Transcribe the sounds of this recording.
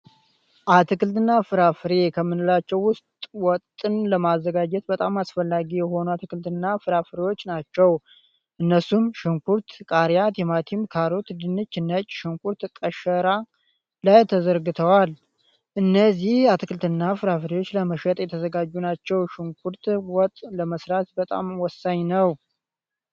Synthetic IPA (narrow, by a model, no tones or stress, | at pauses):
ʔat̪ʰɨkɨlt̪ɨnːafɨɾafɨɾe̞kʰəmːɨnɨlat͡ʃːɛwːʊst̪ʼwɔt̪ʼːɨnləmazːəɡad͡ʒɛt̪̚bət̪ʼamasfəlːaɡijɛho̞nuat̪ʰɨkɨlt̪ɨnːafɨɾafɨɾewo̞t͡ʃːnat͡ʃːɛw | ʔɨnːəsumʃɪŋkuɾt̪kʼaɾjat̪ʰɛmat̪ʰimkʰaɾo̞t̪d̪ɨnːɨt͡ʃːɨnːət͡ʃʼːʃɪŋkʰuɾt̪kʼəʃəɾa | lajt̪ʰəzəɾɡɨt̪ʰəwal | ʔɨnːəzihat̪ʰɨkʰɨlt̪ɨnːafɨɾafɨɾiwo̞t͡ʃːləməʃɛt̪ʼjɛt̪ʰəzəɡad͡ʒːunat͡ʃːɛwʃɪŋkʰuɾt̪wɔt̪ʼləməsɾat̪bət̪ʼa̰mwɔsaɲnəw